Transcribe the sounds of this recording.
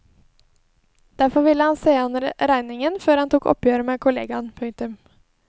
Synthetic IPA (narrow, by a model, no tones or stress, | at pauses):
d̪̥æɾfɔɾʋɪlːəhɑnseːɑnəɾɾæɪnɪŋənføːɾhɑnt̪ʰuːkɔ̰pjøːɾəmeːkʰʊlḛːɡɑnpʰʉŋt̪ʉm